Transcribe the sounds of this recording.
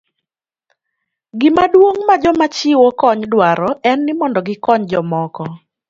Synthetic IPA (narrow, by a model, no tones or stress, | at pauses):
ɡɪmadwoŋmad͡ʒɔmat͡ʃɪwokɔɲdwaɾɔɛnːɪmɔndɔɡɪkɔɲd͡ʒɔmɔkɔ